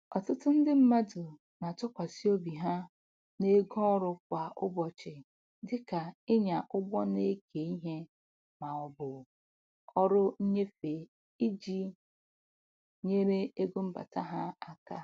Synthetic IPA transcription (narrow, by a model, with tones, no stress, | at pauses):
ɔ˨tʊ˦tʊ˦n̩˦dɪ˦m̩˦ma˦dʊ˨ | na˨tʊ˦kʷa˨si˦o˦bi˨ɦa˦ | ne˦ɡɔ˦ɔ˦ɾʊ˦k̚ʷa˨ʔʊ̰˦bɔ˨t͡ʃɪ˨ | dɪ˦ka˨ɪ˦ɲa˨ʔʊ˦ɡ͡bɔ˦ne˦ke˨i˦ɦe˦ | ma˨ɔ˨bʊ˨ | ɔ˦ɾʊ˦ɲ̩˦ɲe˦fe˨ | i˦d͡ʒi˦ | ɲe˦ɾe˦e˦ɡo˦m̩˦ba̰˨ta˦ɦa˦a˨ka˦